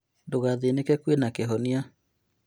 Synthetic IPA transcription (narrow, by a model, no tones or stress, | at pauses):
doɣaðenekɛkwenakeɦɔnia